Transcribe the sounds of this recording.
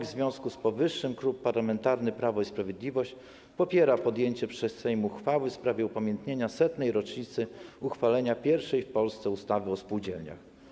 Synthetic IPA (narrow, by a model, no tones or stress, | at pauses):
zvʲjɔ̃w̃skuspɔvɘʂːɘmkɾupːaɾlamɛnt̪aɾnɘpɾavɔispɾavʲjed̪lʲivɔɕt͡ɕ | pɔpʲjɛɾapɔd̪jeɲt͡ɕɛpʂɛsɛjmuxfawɘfspɾavʲjɛupamʲjɛnt̪ɲeɲasɛt̪nɛjɾɔt͡ʂɲit̪sɘuxfalɛɲapʲjɛɾfʂɛjfpɔlst̪sɛust̪avɘɔspuwd͡ʑɛlɲa̰x